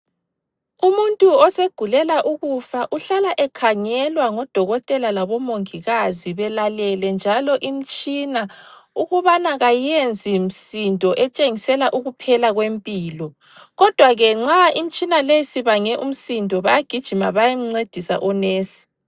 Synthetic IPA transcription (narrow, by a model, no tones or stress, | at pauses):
umuntʼuɔseɡ̥ʱulɛlaʔuɣufaʔuɬalaʔɛkʰaŋɛlwaŋɔd̥ʱɔɣɔtʼɛlalaβɔmoŋiɣaziβɛlalɛlɛnd͡ʒʱalɔʔim̩t͡ʃʼinauɣuβanaɣajend͡zʱim̩sintʼɔʔɛt͡ʃʼeŋisɛlaʔuɣupʰɛlaɣwempʼiːlɔ | ɣɔd̥ʱwaɣɛŋ͡ǁaim̩t͡ʃʼinalesiβaŋɛʔum̩sintʼɔβajaɡ̥ʱid̥ʒ̥ʱimaβajem̩ŋ͡ǀed̥ʱisa̰ʔɔneːsi̥